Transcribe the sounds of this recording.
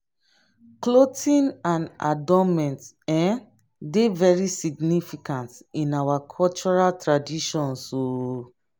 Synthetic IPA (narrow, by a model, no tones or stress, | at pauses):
klotʰĩnãna̰dɔmɛ̃nt | ɛ̃ | devɛɹisiɡnifikãntĩnawakʰɔlt͡ʃɔɹaltɹadiʃɔ̃nso